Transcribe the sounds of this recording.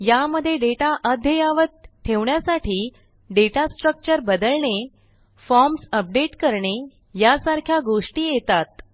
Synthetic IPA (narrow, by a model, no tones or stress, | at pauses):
jaməd̪ʱːjeɖeʈaʔəd̪ʱjəjaʋət̪t̪ʰːeʋɳjasaʈiː | ɖeʈasʈɾək̚t͡ɕəɾbəd̪əlɳe | fɔɾmsəp̚ɖeʈkəɾɳe | jasaɾkʰjaɡoʂʈiːjet̪at̪̚